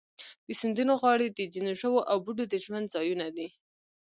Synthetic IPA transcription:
d̪̥əsɪnd̪unoɣwɑɽed̪əd͡ʒinoʃəwoʔawbuɖod̪əʒwand̪zɑjunad̪i

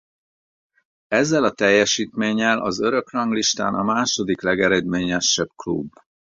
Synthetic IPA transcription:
ɛzːɛlɒt̪ɛjːɛʃiːt̪meːɲːɛlʔɒ̰zø̞ɾø̞krɒŋɡliʃt̪a̰ːnɒmaːʃo̞d̪iklɛɡɛɾɛd̪meːɲɛʃːɛb̥klṵbː

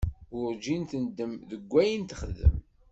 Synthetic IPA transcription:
ʊɾd͡ʒint̪ənd̪ːəmðəɡʷːæjənt̪əχəðə̰m

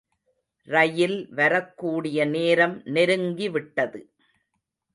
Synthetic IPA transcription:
rɐjɪlʋɐɾɐkːuːɽɪjɐneːɾɐmnɛɾɯŋɡiʋɪʈːɐðɯ

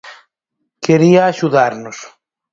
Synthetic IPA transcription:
keɾiaːʃuðaɾnos

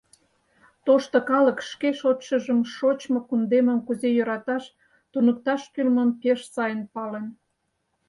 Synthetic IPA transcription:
t̪oʃt̪okɑləkʃkeʃot̪ʃəʒəmʃot͡ɕmokund̪eməmkuzejøɾɑt̪ɑʃ | t̪unək̚t̪ɑʃk̪ylməmpeʃsɑjənpɑlen

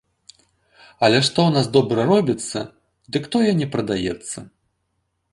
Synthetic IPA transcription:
ɐlʲɛʂt̪ɔwnasd̪ɔbɾɐɾɔbʲit̪sːɐ̰ | d̪ɨkt̪ɔjɐnʲɛpɾɐd̪ajɛt̪sːɐ

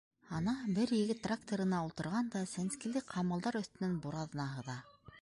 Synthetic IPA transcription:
ɑnɑbɘɾjɘ̆ɡɘt̪ːrakt̪oɾɤ̆nɑulˠt̪ɤ̆ɾʁɑnd̪ɑsænskilɘqʰɑmɤ̆lˠd̪ɑɾɵ̆θt̪ɵ̆nɘnbuɾɑðɤ̆nɑɦɤ̆ðɑ

